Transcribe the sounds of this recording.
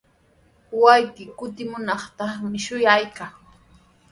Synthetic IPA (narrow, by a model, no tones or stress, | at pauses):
wajkɪkʊt̪ɪmʊnɑχt̪ɑχmɪʃʊjajkaŋ